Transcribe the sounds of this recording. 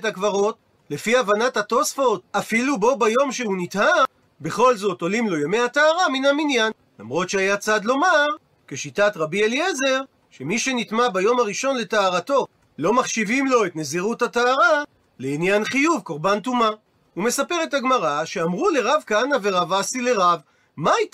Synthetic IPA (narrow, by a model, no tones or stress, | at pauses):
takvaʁo̞t | le̞fiavanathato̞sfo̞tafilubo̞bajo̞mʃehunitha | be̞χo̞lzo̞to̞limlo̞jame̞hataːʁaminaminjan | lamʁo̞tʃeajat͡sad̪lo̞maʁ | ke̞ʃitatʁabielieze̞ʁ | ʃe̞miʃe̞nitmabajo̞maʁiʃo̞nle̞taːʁato̞ | lo̞maχʃivimlo̞et̪neziʁuthataːʁa | leinjanχijuvko̞ʁbantuma | ume̞sape̞ʁe̞thaɡmaʁaʃe̞amʁule̞ʁavkaanaveʁavasile̞ʁav | mait